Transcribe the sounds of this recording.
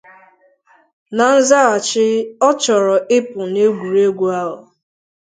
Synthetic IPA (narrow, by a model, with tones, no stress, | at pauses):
na˨n̩˦za˦a˨t͡ʃɪ˦ɔ˦t͡ʃɔ˨ɾɔ˨ʔɪ˦pʊ˨ne˦ɡʷu˨ɾe˦ɡʷu˦a˦lʊ˨